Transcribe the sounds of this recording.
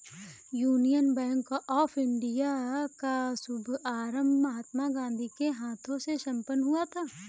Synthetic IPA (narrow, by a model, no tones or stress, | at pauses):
juːnijənbɛ̃ːŋkoʔɔːfʰɪ̃ɳɖijakasʊbʱaːɾəmbmɐɦaːt̪maɡãːnd̪ʱikeɦaːt̪ʰõseʃɐ̃mpənɦuat̪ʰaː